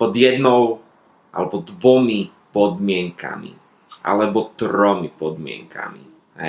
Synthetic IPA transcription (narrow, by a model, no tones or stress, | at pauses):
pɔd̪jɛd̪nɔw | ʔa̰lɛbɔd̪ʋɔmi | pɔd̪mɪɛŋka̰mḭ | ʔa̰lɛbɔt̪ɾɔmipɔd̪mɪɛ̰ŋkʰa̰mḭ | ɦɛ̰